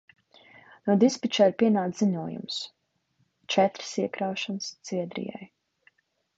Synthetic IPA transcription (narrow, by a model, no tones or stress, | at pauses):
nuɔd̪ispit͡ʃaːiɾpʲiɛnaːt̪ziɲuɔjṵms | t͡ʃɛt̪ɾsiɛkɾawʃɔnst̪siɛd̪ɾḭja̰j